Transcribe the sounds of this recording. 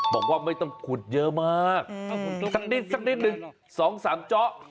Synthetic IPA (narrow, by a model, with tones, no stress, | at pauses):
bɔː˨˩k̚waː˧˩ma˧˥˩jt̪ɔ˥˧˩ŋkʰu˨˩ət̪̚jəː˦˥maː˥˩k̚sa˦˥k̚ni˦˥t̪̚sa˦˥k̚niː˦˥t̪̚nɯ˨˩ŋ | sɔː˨˩˦ŋsaː˩˦mt͡ɕɔ˦˥ʔ